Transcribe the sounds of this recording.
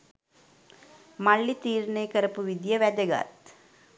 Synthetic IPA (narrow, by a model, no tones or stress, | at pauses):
maɭːit̪iːɾnəjkəɾəpuʋid̪jəʋæd̪əɡa̰t̪